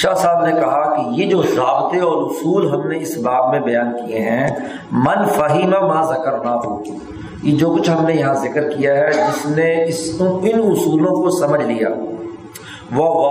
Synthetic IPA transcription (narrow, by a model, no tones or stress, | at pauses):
ʃaːsaːbnekɐɦakijed͡ʒoːzaːbt̪eɔːɾʊsuːlɦɐmneɪsbaːbmẽbɐjaːnkijeɦɛ̃ | mɐnfɐɦimamãːzɐkəɾnaɦo̰ː | jed͡ʒoːkʊt͡ʃʰɦɐmnejɐɦãzɪkəɾkijaɦɛd͡ʒɪsneɪsõɪnʊsuːlõkosɐməd͡ʒʱlija̰ː | ʋo